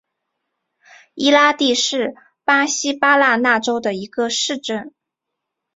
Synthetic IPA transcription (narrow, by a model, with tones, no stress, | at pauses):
i˥la˥t̪i˥˧ʂɻ̩˥˩ | pa˥ɕi˥pa˥la˥˧na˥˩ʈ͡ʂo˥ʊd̪ə˨i˧˥ɡə˧ʂɻ̩˥˧ʈ͡ʂə˥˩n